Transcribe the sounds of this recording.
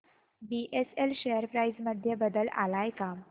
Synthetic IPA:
biʔeselɕejəɾpɾajd͡zməd̪ʱjəbəd̪əla̰lajkam

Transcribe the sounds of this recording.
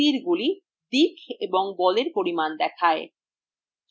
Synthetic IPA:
iɾɡuli | d̪ikʰeboŋbɔleɾpoɾimand̪ɛkʰae

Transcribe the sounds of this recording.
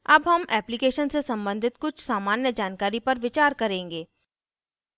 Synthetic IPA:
ɐbɦɐmɛːplɪkeːʃənsesɐ̃mbə̃nd̪ʱɪt̪kʊt͡ʃʰsaːmaːnjəd͡ʒaːnkaːɾipɐɾʋɪt͡ʃaːɾkɐɾẽːŋɡeː

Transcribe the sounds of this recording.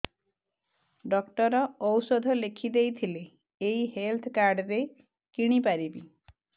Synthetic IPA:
ɖɔkʈɔɾɔːwsɔd̪ʱɔlekʰid̪ejt̪ʰileː | jɦelt̪ʰɔkaɾɖɾe | kiɽ̃ipaɾibi

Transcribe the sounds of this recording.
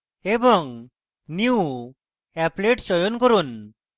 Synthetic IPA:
ebɔŋ | niu | ɛpleʈsɔjonkoɾun

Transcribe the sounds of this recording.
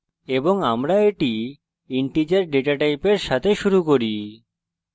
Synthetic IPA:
eboŋamɾaeʈi | iɳʈid͡ʑeɾɖeʈaʈajpeɾʃat̪ʰeʃuɾukoɾi

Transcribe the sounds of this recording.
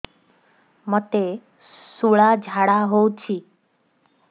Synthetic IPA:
mət̪e | suɭad͡ʒʱaɽaɦowt͡ʃʰi

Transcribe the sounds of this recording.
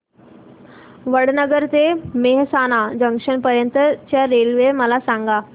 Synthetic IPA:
ʋəɽ̤nəɡəɾt̪emeɦsanad͡ʑəŋkʂəɳpəɾjənt̪ət͡ɕjaɾelʋeməlasãŋɡa

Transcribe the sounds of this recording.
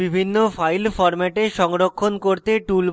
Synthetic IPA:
ibʱinːofajlfɔɾmɛʈeʃɔŋɾokʰːonkoɾt̪eʈulb

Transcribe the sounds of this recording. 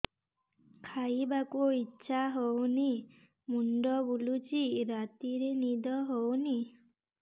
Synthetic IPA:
kʰaibakuitːʃʰaɦowni | muɳɖɔbulut͡ʃiɾat̪iɾenid̪ɔɦowni

